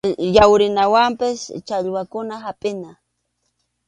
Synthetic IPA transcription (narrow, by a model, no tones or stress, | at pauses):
jawɾɪnawampɪst͡ʃaʎwakʊnaɦapʼɪna